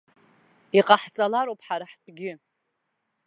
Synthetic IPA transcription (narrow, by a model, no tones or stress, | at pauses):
iqʼaħt͡sʼalaɾowpʰʼħaɾaħtʷʼɡʲɪ